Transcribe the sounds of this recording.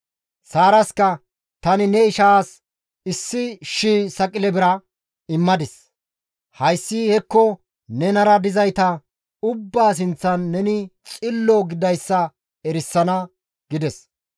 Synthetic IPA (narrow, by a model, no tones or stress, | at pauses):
saːɾɐskɐ | t̪ɐnɪnɛɪʃaːs | ɪsːɪʃiːsɐkʼɪlɛbɪɾɐ | ɪmːɐd̪ɪs | hɐjsːɪhɛkːɔ | nɛnɐɾɐd̪ɪzɐjt̪ɐ | ʊbːaːs̬ɪnt͡sːɐnːɛnɪt͡sʼɪlːɔɡɪd̪ɐjsːɐ | ɛɾɪsːɐnɐ | ɡ̥ɪd̪ɛs